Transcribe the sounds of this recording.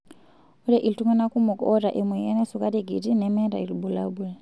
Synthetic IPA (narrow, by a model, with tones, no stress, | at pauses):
u˦ɾɛ˦ʔi˨ltu˦ŋa˦na˦ku˦mɔ˨kɔ˦ɾa˨ʔi˨mwɛ˨ja˦nɛ˦su˨ka˦di˦ɡḭ˨ti˦nɛmɛ˦ɾa̰˨i˨li˨bu˨labu˨la˨